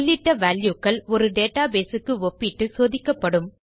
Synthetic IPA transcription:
lːɪʈːɐʋaːljukːɐɭɔɾɯɖeːʈːaːbeːsɯkːɯɔpːɪʈːɯsoːðɪkːɐpːɐɽɯm

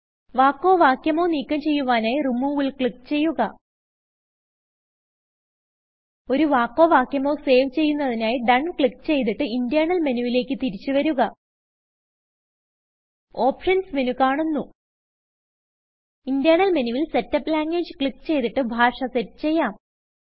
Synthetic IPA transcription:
ʋaːkːo̞ːʋaːkjɐmo̞ːniːkːɐmt͡ɕe̞jːuʋaːnaːjirumːuːʋilkɭikːt͡ɕe̞jːuɣɐ̰ | o̞ɾuʋaːkːo̞ːʋaːkʲjɐmo̞ːse̞ːʋt͡ɕe̞jːunːɐðinaːjiɖɐɳkɭikːt͡ɕe̞jt̪̬iʈːɨind̪ijaːɳɐlmenuʋile̞ːkːɨt̪iɾit͡ɕːuʋɐɾuɣɐ | o̞ːpʂɐnsminukaːɳunːu | ind̪jaːnɐlmenuʋilse̞tːɐpːlaːŋɡʋeːd͡ʑɨkɭikːt͡ɕe̞jt̪iʈːɨbʱaːʂɐsetːɨ̥t͡ɕe̞jːaːm

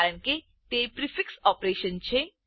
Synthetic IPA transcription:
ɾəɳ̃ke | t̪epɾifiksɔpɾeʃənt͡ɕʰe

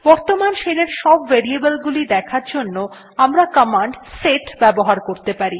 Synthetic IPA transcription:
bɔɾt̪omanʃeɾeɾʃɔbːeɾiebəlɡulid̪ɛkʰaɾd͡ʑonːo | amɾakamaɳɖseʈbɛboɦaɾkoɾt̪epaɾi

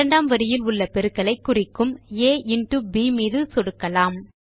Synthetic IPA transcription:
ɐɳɖaːmʋɐɾɪjɪlʊɭːɐpɛɾɯkːɐɭɐɪkːʊrɪkːɯmeːɪnʈubiːmiːðɯsɔɽɯkːɐlaːm

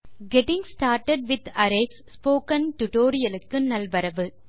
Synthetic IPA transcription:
ɡɛʈɪ̃ŋsʈaːɾʈɐɖ̚ʋɪd̪ɐɾesspoːkɐnʈʊʈoːɾɪjɐlɯkːɯnɐlbɐɾɐʋɯ

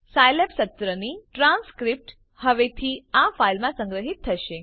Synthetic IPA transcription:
sajlepsət̪ːɾəniʈɾãnskɾip̚ʈ | həʋet̪ʰiafailmãsə̃ŋɡɾəɦit̪ʰːəʃe

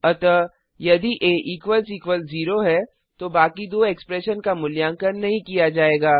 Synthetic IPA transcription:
ɐt̪ə | jɐd̪iʔeːʔiːkʋəlsiːkwʋəlziːɾoɦɛ | t̪obaːkid̪oːeːkspɾɛːʃənkamʊljãːŋkənːɐɦĩkijad͡ʒaːeːɡaː

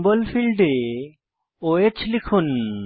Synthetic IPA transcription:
bəlpʰilɖe | oet͡ɕʰlikʰun

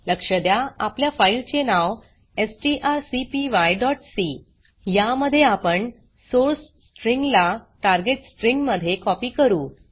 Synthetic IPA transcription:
ləkʂəd̪jaapljafailt͡ɕenaʋ | esʈiʔaɾsipiʋajɖɔʈsi | jaməd̪ʱːjeapəɳ | soɾsːʈɾiŋɡlaʈaɾɡeʈsʈɾiŋɡməd̪ʱːjekɔpiːkəɾuː

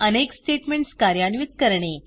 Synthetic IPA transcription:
əneksʈeʈmeɳʈskaɾjanʋit̪̚kəɾɳe

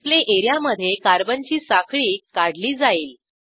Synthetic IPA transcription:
leʔeɾjaməd̪ʱːjekaɾbənt͡ɕiːsakʰɭiːkaɽ̤liːd͡zaiːl

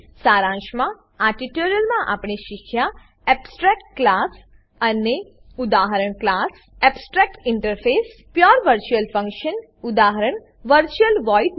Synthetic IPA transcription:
saɾãʃmã | aʈiʈoɾijəlmãʔa̰pɳeʃikʰja | ɛbsʈɾɛk̚ʈ̚klas | əne | ud̪aɦəɾəɳ̃klas | ɛbsʈɾɛk̚ʈɪɳʈəɾfes | pjɔɾʋəɾt͡ʃuəlfə̃ŋkʃən | ʊd̪aɦəɾəɳ | ʋəɾt͡ʃuəlʋɔjʈ

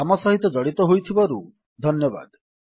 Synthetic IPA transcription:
amɔsɔɦit̪ɔd͡ʒɔɽit̪ɔɦojt̪ʰibɔɾu | d̪ʱɔnjɔba̰d̪

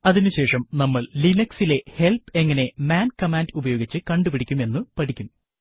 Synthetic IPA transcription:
ɐðinuɕe̞ːʂɐmnɐmːɐɭlinɐksile̞he̞lpe̞ŋːɐne̞maːnkɐmaːndubɐjo̞ːɡit͡ɕːɨkɐɳɖupiɽikʲːume̞nːɨpɐʈʰikʲːum

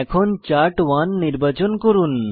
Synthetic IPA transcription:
ɛkʰɔnt͡ɕaɾʈʋanːiɾbat͡ɕɔnkɔɾun

